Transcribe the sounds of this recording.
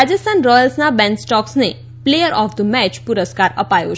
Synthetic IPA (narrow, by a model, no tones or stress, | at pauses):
ad͡ʒəst̪ʰanɾɔjəlsnabɛ̃nsʈɔksne | plejəɾʔɔfd̪əmɛt͡ʃpuɾəskaɾə̰pajo̰